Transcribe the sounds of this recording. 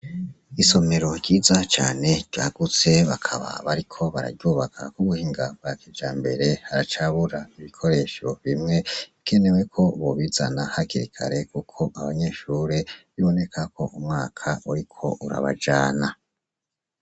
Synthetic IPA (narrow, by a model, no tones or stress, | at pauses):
iso̞me̞ɾo̞ɟɟiːzat͡ʃa̰ːne̞ɾ̥ɟ̥a̰ːɡ̥ut͡se̞βakʰaβa̰βaɾikʰo̞βaɾa̰ɾɟuːβakʰa̰kuβuhiːŋɡab̚ɡaked͡ʒaːmbe̞ɾe̞haɾat͡ʃaβuɾaiβikʰo̞ɾe̞ːʃo̞βimŋe̞ike̞ne̞we̞kʰo̞βoβizanahakiɾikʰa̰ɾe̞kukʰo̞ʔaβaɲe̞ʃuːɾe̞βiβo̞ne̞kʰakʰo̞ʔumŋaːkʰauɾikʰo̞̰ʔuɾa̰βa̰d͡ʒaːna